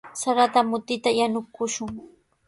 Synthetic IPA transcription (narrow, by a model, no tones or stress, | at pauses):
saɾat̪amʊt̪ɪt̪ajanʊkʊʃʊŋ